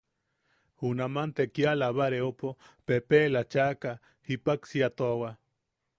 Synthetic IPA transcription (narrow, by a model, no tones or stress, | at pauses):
hunamant̪ekjalaβaɾeopopepelat͡ʃaka | hipaksiat̪oawa